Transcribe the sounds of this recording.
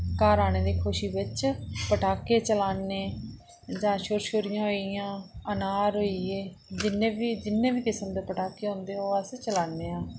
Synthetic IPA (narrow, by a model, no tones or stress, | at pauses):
kaːɾaːñeːd̪iːkʰʊʃiːbɪt͡ʃpəʈaːkeːt͡ʃəlaːneː | d͡ʒãːʃoːɾʃoːɾijãːɦoijãːənaːɾɦoːiːeːd͡ʒɪnẽːʋiːd͡ʒɪnːẽːʋiːkɪsəmd̪eːpəʈaːkeːɦõːnd̪eːɦoːɛset͡ʃəlaːnːeːaː